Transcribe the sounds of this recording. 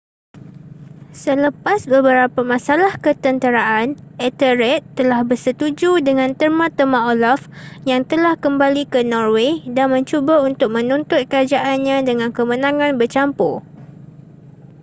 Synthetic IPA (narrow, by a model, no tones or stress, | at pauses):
sələpasbəbəɾapamãsalahkət̪ənt̪əɾaʔanɛt̪əɾɛt̪ːəlahbərsət̪ud͡ʒudəŋãnt̪ərmãt̪əmãolafjaŋt̪əlahkəmbalikənɔrwedanmə̃ɲt͡ʃubaunt̪ʊk̚mə̃nunt̪ʊt̪̚kəɾad͡ʒaʔanɲãdəŋãnkəmə̃nãŋãnbərt͡ʃampʊ